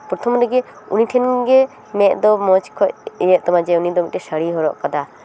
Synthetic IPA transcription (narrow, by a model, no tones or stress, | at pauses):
pɾɔt̪ʰɔmɾɛɡɛ | ṵniʈʰɛnɡɛ | mɛʔd̪ɔmɔt͡ʃkʰɔʔjɛʔt̪ɔmad͡ʒɛunid̪ɔmiʔtɛsəɽiɦɔɾɔʔkad̪a